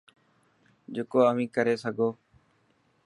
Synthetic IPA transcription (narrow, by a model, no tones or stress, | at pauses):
d͡ʒɪkoːəʋĩːkəɾeːsəɡʱoː